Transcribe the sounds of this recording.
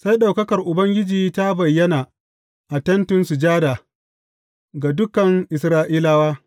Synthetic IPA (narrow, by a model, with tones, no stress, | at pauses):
sa˦jɗa˨wkɐ˦kɐ˨rʔʊ˨bɐ˦ŋɡʲɪ˦d͡ʒiː˨ta˦bɐ˨jːɐ˦naː˨ | ʔa˨tɐ˦ntʊ˦nsu˨d͡ʒaː˦daː˨ | ɡa˨dʊ˦kɐ˨ŋʔɪ˨sɾaː˦ʔiː˦la˦waː˦